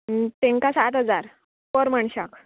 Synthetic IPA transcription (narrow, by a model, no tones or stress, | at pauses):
t̪ẽŋkasat̪ɦəd͡zaɾ | pəɾm̤aɳɕak